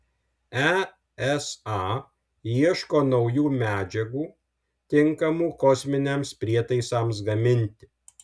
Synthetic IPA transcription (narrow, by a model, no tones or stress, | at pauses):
ɛ | ɛsɑː | iɛʃkoːnɒʊjuːmʲæːd͡ʒʲɛɡuː | t̪ʲɪŋkɐmuːkɔsʲmʲɪnʲemspʲɾʲiɛt̪ɐɪsɑˑms̬ɡɐmʲɪnʲt̪ʲɪ